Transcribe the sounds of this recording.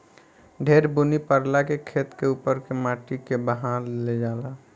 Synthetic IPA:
ɖʱeːɾbunipəɾlakekʰeːt̪keuːpəɾkemaːʈikebəɦaɾled͡ʒaːla

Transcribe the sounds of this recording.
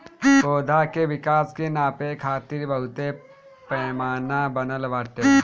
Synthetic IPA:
oːd̪ʱakeʋɪkaːskenaːpekʰaːt̪iːɾbɐɦʊt̪e | pɛːmaːnabənəlʋaːʈːe

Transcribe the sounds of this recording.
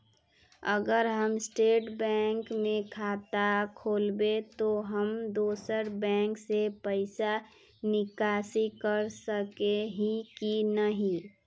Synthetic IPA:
əɡəɾɦəmsʈeːʈbɛ̃ːŋkmẽkʰaːt̪akʰoːlbet̪oɦəmd̪oːsəɾbɛ̃ːŋksepəɪsa | nɪkaːsikəɾsəkeɦikinəɦĩ

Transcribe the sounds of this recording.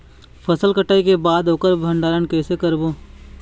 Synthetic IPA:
pʰəsəlkəʈaːikebaːd̪oːkəɾbʱə̃ɳɖaːɾənkɛːsekəɾboː

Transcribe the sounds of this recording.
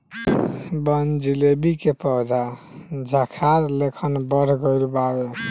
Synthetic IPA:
bənd͡ʒilebikepəd̪a | d͡ʒʱəkʰaɾlekʰənbəɾ̤ɡəɪlbabe

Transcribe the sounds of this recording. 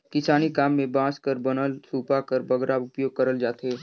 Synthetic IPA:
kɪsaːnikaːmːẽbãːskəɾbɐnəlsuːpakəɾbɐɡɾaʊpjoːɡ̚kɐɾəld͡ʒaːt̪eː

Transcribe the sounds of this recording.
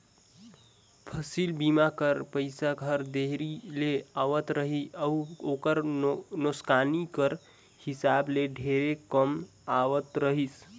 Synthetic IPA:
pʰəsilbimakəɾpəɪsaɡʱəɾd̪eɦɾileaʋət̪ɾəɦiəuokəɾnoskanikəɾ | hisableɖʱeɾekəm | aʋət̪ɾəɦis

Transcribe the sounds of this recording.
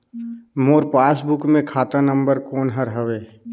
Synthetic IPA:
moːɾpaːsbʊkmẽkʰaːt̪anə̃mbəɾkoːnɦəɾɦəʋeː

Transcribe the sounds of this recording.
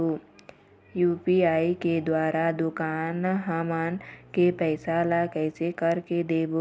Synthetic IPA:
oː | juːpiaːiked̪waːɾad̪ʊkaːnɦəmankepɛːsaːlakɛːsekəɾked̪eːbo

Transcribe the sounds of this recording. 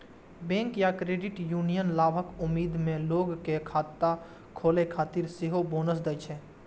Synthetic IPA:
bɛ̃ːŋkjakɾeːɖɪʈjuːnijənlaːbʱəkʊmːiːd̪mẽloːɡkekʰaːt̪ːa | kʰoːlekʰaːt̪ɪɾsɪɦoboːnəs̬d̪ət͡ʃʰɛ

